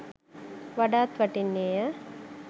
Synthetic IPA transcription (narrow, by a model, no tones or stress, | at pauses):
ʋɐɖaːt̪ʋɐʈinːeːjə